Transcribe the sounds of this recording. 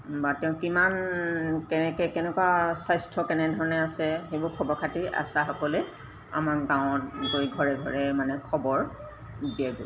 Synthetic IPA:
batɛʊ̃kimankɛɛkɛkɛnɛkwasajstʰɔkɛnɛdʱɔɹɔnɛasɛxejbʊɹkʰɔbɔkʰatiʔa̰saxɔkɔlɛ | a̰makɡãʊ̃ɔt̚ɡojɡʱɔɹɛɡʱɔɹɛmanɛkʰɔbɔɹ | biaɡo

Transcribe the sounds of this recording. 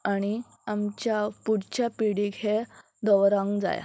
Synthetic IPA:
aɽ̃i | amt͡ɕjapuɽt͡ɕapiɽiɡʱe | d̪ɔʋɾãŋɡd͡za̰ja̰

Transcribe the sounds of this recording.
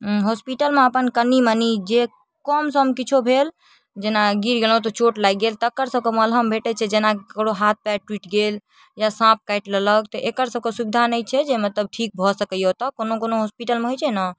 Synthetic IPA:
ɦospiʈəlmẽəpənkənːimənid͡ʒe | kɔmsə̃mkit͡ʃʰobʱel | d͡ʒenaɡiɾɡelõt̪ɔt͡ʃoʈlajɡelt̪ːkəɾsəb̚keməlɦəmbʱeʈɛt͡ʃʰɛd͡ʒenakɽoɦat̪̚ʰpɛʈwiʈɡel | jasãp̚kajʈlələkt̪ɔʔekəɾsəb̚kesubid̪ʱanəjt͡ʃʰɛd͡ʒemət̪ləb̚ʈʰik̚bʱɔsəkəjot̪ɔkonokonoɦospiʈəlmeɦojt͡ʃʰɛnɔ

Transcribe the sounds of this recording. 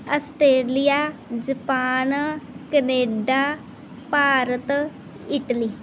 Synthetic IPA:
əsʈɾeːlijaːd͡ʒəpaːnkəneːɖaː | paːɾət̪ | ɪʈliː

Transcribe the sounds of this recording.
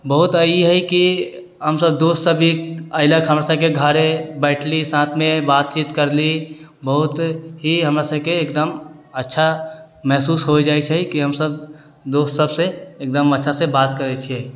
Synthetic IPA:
bəɦut̪aiɦɛjki | ɦəmsəbd̪ost̪səbʱikəɪləkɦəmɾasəb̚keɡʱaːɾebɛɪʈʰlisãːt̪ʰmẽbaːt̪̚t͡ʃiːt̪kəɾlibəɦʊt̪ɦiɦəmɾasəb̚keːkd̪əmətːʃʰa | mɛɦsuːsɦod͡ʒaːjt͡ʃʰɛkiɦəmsəb | d̪oːst̪səbseːk̚d̪əmətːʃʰasebaːt̪kəɾɛt͡ʃʰe

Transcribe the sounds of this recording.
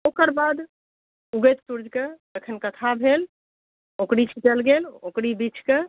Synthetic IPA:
okəɾbad̪ | uɡət̪suɾd͡ʒʱket̪əkʰənkət̪ʰabʱel | okɾit͡ʃʰiʈəlɡelokɾibit͡ʃʰke

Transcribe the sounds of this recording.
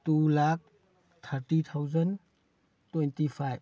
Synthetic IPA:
tulak̚ | t̪ʰəɾtit̪ʰawzən | tɔjntipʰajb

